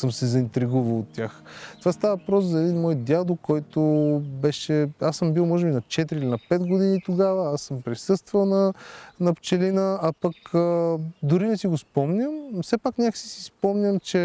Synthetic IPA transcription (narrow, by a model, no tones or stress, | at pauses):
sɤmsɛzɐint̪ɾiɡuvəlˠot̪ːʲjaxt̪ovast̪avəvpɾɔszɐɛd̪inmɔjd̪ʲad̪okːɔjt̪obɛʃɛasɤmbilˠmɔʒɛbinɐt͡ʃɛt̪ɾiilʲinɐpɛd̪ɡod̪init̪oɡavəasɤmpɾisɤst̪vəlˠnɐnɐpt͡ʃɛlinəɐpɐkəd̪ʊɾinɛsiɡospɔmnʲəmfsɛpaknʲakə̥si̥si̥spɔmnʲəmt͡ʃɛ